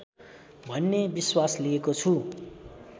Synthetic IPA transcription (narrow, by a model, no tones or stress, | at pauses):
bʱʌnːebiswasliekot͡sʰu